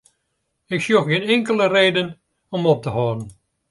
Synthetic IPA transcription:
ɪksjoxɡɪnɛŋkələreːdən | ɔmɔp̚təhɔːdən̩

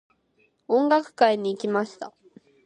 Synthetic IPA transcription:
õ̞ŋɡakɯ̟̥kaiɲ̟iːkʲimaɕi̥t̪a

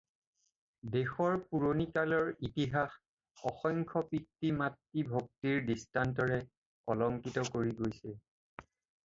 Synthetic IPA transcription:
dexɔɹpuɹonikalɔɹitiɦax | ɔxɔŋkʰɔpitːimatːibʱok̚tiɹdistantɔɹɛ | ɔlɔŋkitɔkoɹiɡojsɛ

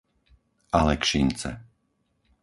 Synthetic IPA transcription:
ʔalɛkʃint͡sɛ̰

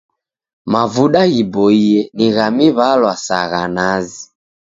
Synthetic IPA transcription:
mavuɗaɣibɔiɛniɣamiβalwasa̰ɣanazi

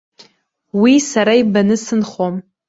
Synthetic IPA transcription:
wisaɾaibanɨsɨnχom

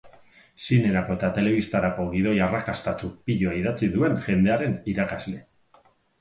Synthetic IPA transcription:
sine̞ɾako̞et̪at̪e̞le̞β̞ist̪aɾako̞ɣið̞o̞jarakast̪at͡ʃupiʎoaið̞at͡siðue̞nʝe̞nd̪e̞aɾe̞niɾakazle̞

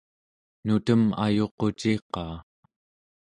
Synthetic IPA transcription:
nut̪əma̰jo̞qo̞t͡ʃiqɑː

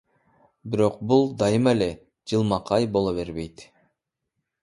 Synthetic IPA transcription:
biɾo̞q̚bulˠd̪ɑjɯmele | d͡ʒɯlˠmɑqʰɑjbo̞lˠoβe̞ɾbe̞jt̪

